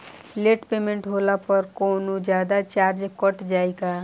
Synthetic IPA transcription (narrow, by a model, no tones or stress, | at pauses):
leːʈpeːmẽɳʈɦoːlapəɾkoːnud͡ʒjaːd̪at͡ʃaːɾd͡ʒkəʈd͡ʒaːeɡa